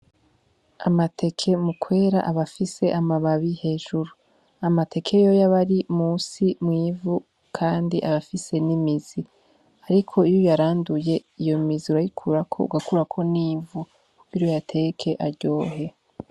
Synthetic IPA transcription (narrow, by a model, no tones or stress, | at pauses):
amatʰe̞kʰe̞mukwe̞ːɾa̰ʔaβafise̞ʔamaβaβihe̞ːʒuɾu | amatʰe̞kʰe̞jo̞jaβaɾimuːsimŋiːvu | kʰaːndiʔaβafise̞nimiz̥i | aɾikʰo̞ijojaɾaːnduje̞ijo̞miziuɾajikʰuɾakʰo̞̰ṵɡakuɾakʰo̞niːvu | iɾojatʰe̞kʰe̞ʔaɾɟo̞ːɦe̞